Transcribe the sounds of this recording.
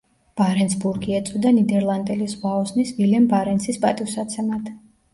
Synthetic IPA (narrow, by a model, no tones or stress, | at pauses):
b̥aɾɛnsbuɾɡiɛt̪sʼwid̪anid̪ɛɾlˠand̪ɛlisʁwaɔsnisvilɛmbaɾɛnsispʼat̪ʼifsat̪sʰɛmad̪ʰ